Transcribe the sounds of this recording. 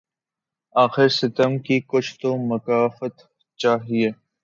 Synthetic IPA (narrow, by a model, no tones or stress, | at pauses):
aːxɪɾsɪt̪əmkikʊt͡ʃʰt̪omɐkaːfət̪ | t͡ʃaːɦieː